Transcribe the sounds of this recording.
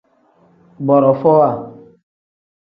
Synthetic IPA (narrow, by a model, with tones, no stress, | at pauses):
ɡ͡bɔ˨ɾɔ˨fɔ˦wa˦˨